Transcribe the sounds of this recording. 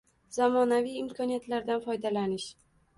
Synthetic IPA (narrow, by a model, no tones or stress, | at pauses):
zamɒnavijɪmkʰɒnijat̪ʰlaɾd̪anfɒjd̪alanɪʃ